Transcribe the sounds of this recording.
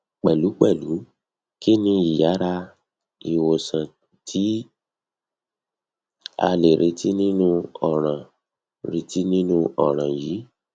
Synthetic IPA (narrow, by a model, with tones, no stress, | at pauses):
k͡pɛ˨lu˨˦k͡pɛ˦˨lu˨˦ | ki˦nĩ˧i˨ja˨˦ɾa˧ | i˨wo˨sã˨ | tʰi˨˦ | a̰˧le˨ɾe˧ti˦nĩ˦nũ˦ɔ˨ɾ̃ã˨ | ɾe˧ti˦nĩ˦nũ˦ʔɔ˦˨ɾ̃ã˨ji˨˦